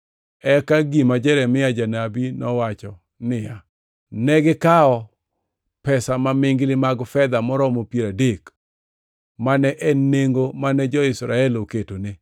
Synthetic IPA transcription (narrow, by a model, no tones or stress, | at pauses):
ɛkaɡimad͡ʒɛɾɛmɪad͡ʒanabinɔwat͡ʃɔ | nɪja | nɛɡɪkaɔ | pɛsamamɪŋɡlɪmaɡfɛd̪amɔɾɔmopjeɾadek | manɛʔɛneŋɡomanɛd͡ʒɔɪsɾaɛloketone